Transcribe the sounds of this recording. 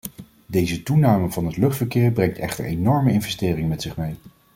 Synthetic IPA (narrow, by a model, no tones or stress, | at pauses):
dejzətunaːməvɑnɦətlɵχtfəɹkɪːɹbrɛŋtɛ̰χtə̰ɹenɔɹməɪnvɛstɪːrɪŋəmɛtsɪχmej